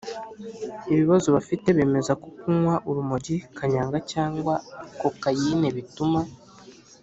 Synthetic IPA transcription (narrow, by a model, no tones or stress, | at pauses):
iβiβazoβafite̞βe̞ːme̞zako̞kuŋwaʔuɾumoɟikʰaɲaːŋɡacaːŋɡwako̞kajine̞βituma